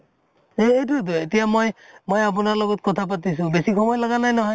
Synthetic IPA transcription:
eejtʊt̬ʊetijamojmojap̬ʊnaɹlɔɡɔt̚kɔtʰap̬atis̬ʊ̃besixɔmɔjlaɡanajnɔɦɔj

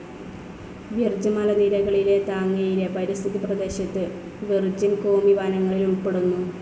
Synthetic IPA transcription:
ʋird͡ʑɐmalɐðiːɾɐɣɐɭile̞t̪aːŋːɐjile̞pɐɾist̪ʰiðiprɐd̪e̞ːɕɐt̪ːɨ | ʋird͡ʑimko̞ːmiʋaːnɐŋːɐɭiluɭpːe̞ɽunːu

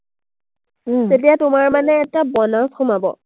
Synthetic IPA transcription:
tetijatʊmaɹmanɛːtabɔnaskumabɔ̰

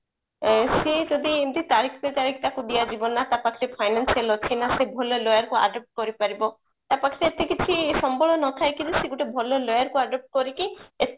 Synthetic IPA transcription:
sed͡ʒɔd̪iemt̪it̪aɾikʰbet̪aɾikʰt̪akuɖijad͡ʒibɔnat̪apakʰiɾepʰajnansialɔt͡ʃʰinasebʱɔlɔlɔjaɾkua̰ɖɔp̚ʈ̚kɔɾipaɾibɔ | t̪apakʰiɾeːt̪ekit͡ʃʰisɔmbɔɭɔnɔt̪ʰajkiliseɡuʈebʱɔlɔlɔjaɾkuaɖɔp̚ʈ̚kɔɾikie

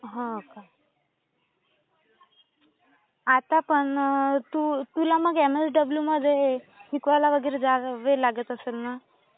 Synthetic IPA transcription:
ɦãoka | at̪apəɳt̪ut̪ulaməɡɛməsɖəbljuməd̪ʱːjeʈikʋalaʋəɡiːɾed͡zaʋelaɡət̪əselna

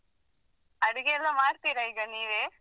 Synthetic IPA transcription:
ɐɽiɡeɛlːɐmaːɽt̪iːɾɐiːɡɐniːʋeː

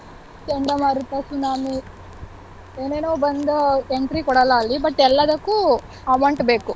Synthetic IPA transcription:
t͡ʃeɳɖɐmɐːɾut̪ɐsunaːmi | eːneːnoːbɐnd̪ɐeɳʈɾikɔɽɐlaːlːibɐʈːɛlːɐd̪ɐkːu | ɐmɐɳʈbe̞ːku

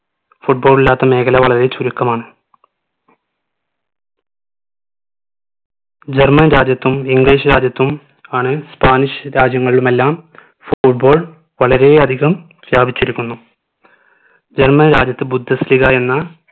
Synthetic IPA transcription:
fuʈ̚boːɭilːaːt̪ːɐme̞ːkʰɐlɐʋɐɭɐɾe̞t͡ɕuɾukːɐmaːɳɨ | d͡ʑe̞rmɐnɾaːd͡ʑjɐt̪ːumiŋɡliːʂɾaːd͡ʑjɐt̪ːum | aːɳɨspaːniʂɾaːd͡ʑjɐŋːɐɭiɭume̞lːaːm | fuʈ̚bo̞ːɭ | ʋɐɭɐɾe̞ɐd̪ʱiɣɐm | sjaːbʱit͡ɕːiɾikʲːunːu | d͡ʑe̞rmɐnɾaːd͡ʑjɐt̪ːɨbud̪ʱːɐsiliɣɐe̞nːɐ

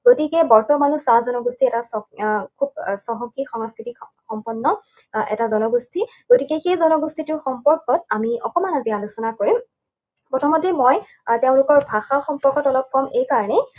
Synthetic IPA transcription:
ɡotikɛbɔɹtɔmanusazɔnɔɡustʰiɛtasɔkʰub̚sɔɦɔŋkikxɔŋɔskɹitik | xɔmpɔnːɔ | ɛ̰tazɔnɔɡustʰi | ɡ̥otikɛxejzɔnɔɡustʰitʊxɔmpɔɹkɔt̚amiɔkɔmanazialusɔnakoɹim | pɹɔtʰɔmːɔdʱɹemoj | teʊ̃lʊkɔɹbʱaxaxɔmpɔɹkɔtɔlɔb̚kɔmejkaɹɔnɛ

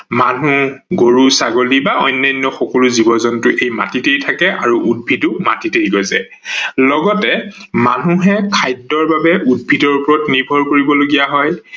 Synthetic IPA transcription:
manuɡoɹusaɡolibaɔjnːajnːɔxɔkɔlʊzibɔzɔntʊʔejma̰titejtʰakɛʔaɹuʔud̚bʱitʊma̰titejɡɔzɛ | lɔɡɔtɛma̰nuɦɛkʰajdɔɹbabɛʔud̚bʱitɔɹupɔɹɔtniɹbʱɔɹkoɹibɔloɡijaɦɔj

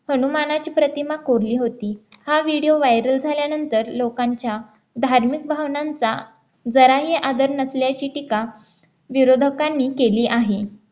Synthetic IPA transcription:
hənumanat͡ɕiːpɾət̪imakoɾliːɦot̪iːhaʋiɽijoʋajɾəld͡zʱaljanənt̪əɾlokaɲt͡ɕja | d̪ʱaɾmik̚bʱaʋnant͡sa | d͡zəɾaɦiːʔad̪əɾnəsljat͡ɕiːʈika | ʋiɾod̪ʱəkanːiːkeliːʔaɦe

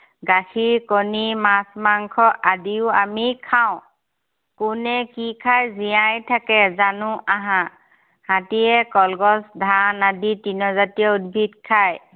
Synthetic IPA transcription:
ɡaxiɹkonimasmaŋkʰɔʔadiʊamikʰaʊ̃ | kʊnɛkikʰajzijãjtʰakɛzanʊʔaɦã | hatiɛkɔlɡɔsdʱanaditinɔzatijɔudbʱitkʰaj

